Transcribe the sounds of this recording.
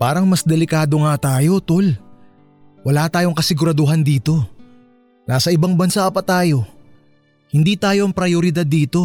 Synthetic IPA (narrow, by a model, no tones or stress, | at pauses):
paːɾɐŋmɐsd̪ɛlɪkaːd̪o̞ŋat̪aːjo̞t̪ol | wɐlaːt̪aːjo̞ŋkɐsɪɡʊɾɐd̪oɦɐnd̪iːt̪o̞ | naːsɐʔɪbɐŋbɐnsapɐt̪aːjo̞ | hɪnd̪iːt̪aːjo̞ʔɐŋpɾɐjoɾɪd̪ad̪ːiːt̪o̞